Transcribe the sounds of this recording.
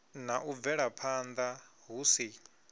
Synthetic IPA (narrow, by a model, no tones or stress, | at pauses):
naʔub̪vɛɺapʰand̪a | ɦusi